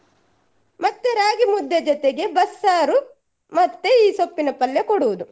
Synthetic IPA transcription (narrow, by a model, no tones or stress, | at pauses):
mɐt̪ːeɾaːɡimud̪ːed͡ʒɔt̪eɡe̞bɐsːaːɾu | mɐt̪ːeiːsopːinɐpɐljɐkɔɽuʋud̪u